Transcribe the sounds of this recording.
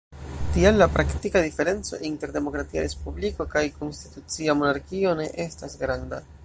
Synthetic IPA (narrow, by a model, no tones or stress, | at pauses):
tiamlapɾʔaktikadife̞ɾe̞nt͡so̞̰ʔinte̞ɾde̞mo̞kɾatia̰ɾe̞spubliko̞kajko̞nsti̥tut͡siamo̞naɾkio̞ne̞ʔe̞stasɡɾanda